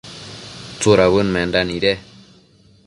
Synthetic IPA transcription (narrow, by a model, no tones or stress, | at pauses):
t͡suɾaβɯnmɛnd̪aniɾe